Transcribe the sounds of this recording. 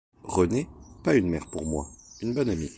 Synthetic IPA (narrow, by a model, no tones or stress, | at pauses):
ʁənepaynmɛʁpuʁmwa̰ynbɔnami